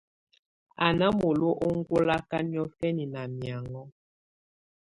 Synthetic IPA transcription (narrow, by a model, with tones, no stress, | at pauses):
a˨na˦mo˨lo˦ʔo˦ŋ̩˦ɡo˦la˦ka˦ni˦ɔ˦fɛ˦ni˨na˨mja˨ŋɔ˦